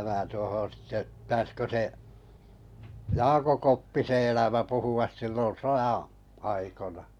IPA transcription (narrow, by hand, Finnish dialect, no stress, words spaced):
mæː tuohon̞ sĭtːe ptæːskø seʔ jɑːkõ kopːise elæmæ puhuɑs silːon̞ sojɑ̃ː ɑikonɑ